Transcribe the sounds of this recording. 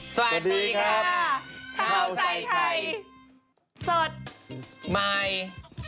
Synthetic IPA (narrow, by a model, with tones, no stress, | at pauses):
sa˧wa˨˩˨diiː˧kʰa˦˧˥t̪ʰa˦˧˦o˧a˧˩˧tʰa˧j | so˨˩t̪̚ma˧j